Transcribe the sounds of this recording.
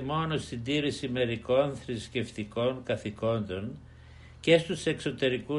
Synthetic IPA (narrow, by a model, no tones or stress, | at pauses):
mo̞no̞st̪ind̪iɾisime̞ɾiko̞nθɾisce̞ft̪iko̞ŋkɐθiko̞nd̪o̞n | ce̞st̪use̞kso̞t̪e̞ɾiku